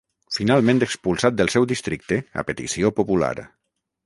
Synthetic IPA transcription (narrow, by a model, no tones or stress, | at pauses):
finalˠmẽnt̪ekspulˠsat̪̚d̪əlˠsɛwd̪ist̪ɾik̚t̪ea̰pet̪ḭsiopopula̰ɾ